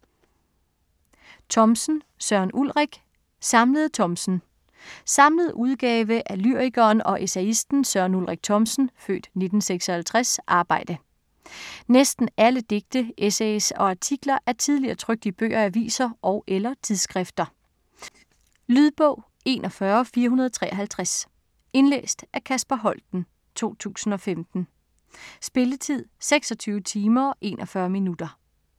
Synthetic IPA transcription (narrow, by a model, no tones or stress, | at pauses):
t͡sʰɒ̽msn̩ | sɶɐnʔulʁɛɡ̥ | sɑ̈mləð̞̩ˠt͡sʰɒ̽msn̩ | sɑ̈mləð̞̩ˠuð̞ˠɡ̥ɛːʋəʔælyɐ̰iɡ̥ɐːnɒ̽ʔesɛisd̥n̩sɶɐnulʁɛɡ̥̚t͡sʰɒ̽msn̩fø̰ːd̥ne̝d̥n̩seɡ̥sɒ̽hælt͡sʰʁɛsʔɑ̈ːb̥ɑ̈ɪ̰d̥ə | nesd̥n̩æləd̥e̝ɡ̥̚d̥əesɛsɒ̽ɑ̈t͡sʰiɡ̥lɐʔæɐt͡sʰið̞ˠliɐːt͡sʰʁœɡ̥̚d̥ib̥ø̰ːʔɐæʋḭːsɐʔɒ̽ʊʔelɐt͡sʰið̞ˠsɡ̥ʁɛfd̥ɐ | lyðˠb̥ɔ̰ʊ̰ | e̝̰ːnʔɒfɶːɐfiːɐɦunɐð̞ˠɒt͡sʰʁɛ̰ːʔɐɦælt͡sʰʁas | e̝nlḛːsd̥ʔæɐkʰæsb̥æɦɒ̽l̰d̥n̩ | t͡sʰo̝̰ːt͡sʰṵːsn̩ɒ̽femd̥n̩ | sb̥e̝lət͡sʰið̞̰ˠseɡ̥sɒt͡sʰyːʊət͡sʰiːmɐɒʔe̝̰ːnʔɒfɶːɐminud̥ɐ